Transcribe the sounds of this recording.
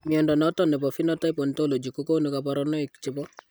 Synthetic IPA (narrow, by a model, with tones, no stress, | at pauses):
mi˨ɛ˨ndɔ˨nɔ˦tɔ˦nɛ˨pɔ˨fi˦nɔ˦tɔ˦i˦pɔ˨ntɔ˦lo˨d͡ʒi˨ko˦ko˦nu˨ka˨paɾɔnɔ˦i˨kt͡ʃɪ˦pɔ˦